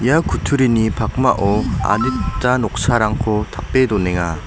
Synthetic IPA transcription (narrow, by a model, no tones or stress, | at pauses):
jakutʰuɾinipak̚maʔoa̰dɯt͈anok̚sʰaɾaŋkʰotap͈ːedoneŋa